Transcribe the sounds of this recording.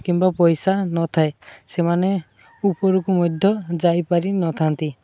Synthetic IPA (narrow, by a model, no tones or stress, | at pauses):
kimbapɔjsanɔt̪ʰaesemane | upɔɾukumɔd̪ʱjɔd͡ʒajpaɾinɔt̪ʰant̪i